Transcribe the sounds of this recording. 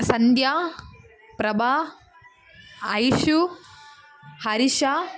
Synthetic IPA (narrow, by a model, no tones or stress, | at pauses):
sɐnd̪jaː | pɾɐbʱaː | ɐjʃu | hɐɾiʃaː